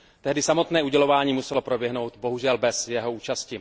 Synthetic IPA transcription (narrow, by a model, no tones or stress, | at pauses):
t̪ɛɦdɪsamo̞t̪nɛːʔuɟɛlo̞vaːɲiːmusɛlo̞pɾobjɛɦno̞wt̪bo̞ɦuʒɛlbɛsjɛɦo̞uːt͡ʃascɪ